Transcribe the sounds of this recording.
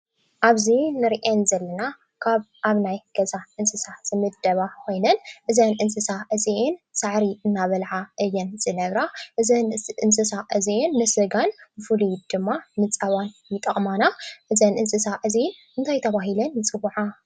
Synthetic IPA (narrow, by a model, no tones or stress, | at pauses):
ʔaβzinɨɾʔenzɐlːɐna | kʰaβ | ʔaβnajɡ̥ɐzaʔɨnsɨsaz̥ɨmɨd̪ɐβakʰo̞jnɐnʔɨzɐnʔɨnsɨsaʔɨziʔensaʕɾiɨnːaβɐlʕaʔɨjːɛnz̥ɨnɐβɾaʔɨzɐnɨnsɨsaʔɨzienːɨsɨɡanɨfɨlid̪̥ɨmːamɨt͡sʼɐβanjɪt̪ʼɐχʼmanaʔɨzɐnʔɨnsɨsaʔɨzin | ɨnt̪ʰajt̪ʰɐβaɦilɐnːɨt͡sʼɨβʕa